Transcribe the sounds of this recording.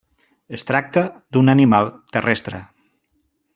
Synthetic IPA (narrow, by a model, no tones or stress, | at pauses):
est̪ɾak̚t̪ad̪unanimalˠt̪ərɛst̪ɾə̰